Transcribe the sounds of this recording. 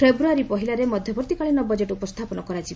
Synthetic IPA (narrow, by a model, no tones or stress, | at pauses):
ebɾuaɾipɔɦilaɾemɔd̪ʱjɔbɔɾt̪ikaɭinɔbɔd͡ʒeʈupɔst̪ʰapɔnɔkɔɾad͡ʒʰi